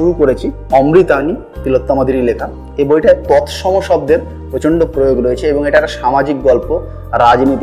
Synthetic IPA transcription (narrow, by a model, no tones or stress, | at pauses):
uɾukoɾet͡ɕʰi | ɔmɾit̪ani | t̪ilot̪ːamad̪ʱiɾilekʰa | ebojʈaet̪ɔt̪ʰʃɔmoʃɔb̚d̪eɾ | pɾot͡ɕoɳɖopɾojoɡɾoet͡ɕʰeeboŋeʈaɛʈaʃamad͡ʑik̚ɡɔlpo | ɾad͡ʑnit̪i